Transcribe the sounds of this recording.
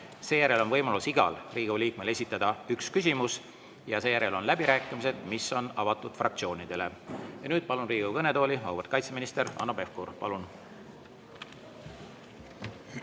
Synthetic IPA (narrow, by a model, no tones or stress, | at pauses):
se̞ːjæɾe̞lo̞nvɤjmɑlusiɡ̥ɑ̰lriːɡ̥uliːk̚me̞le̞s̬ʲit̪ːˑɑd̪̥ɑykskys̬ʲimus | jɑse̞ːjæɾe̞lo̞nlæb̥iɾæːkːˑimis̬e̞d̪̥misːo̞nɑvɑt̪ːˑud̪̥frɑ̰kt̪sio̞ːnid̪̥e̞le̞̰jɑnyːd̪̥̚pɑlunriːɡ̥ukɤne̞t̪o̞ːlimɑwvɑrt̪̚kɑjt̪seminist̪e̞ɾɑ̰nːo̞be̞fkuɾpɑ̰lun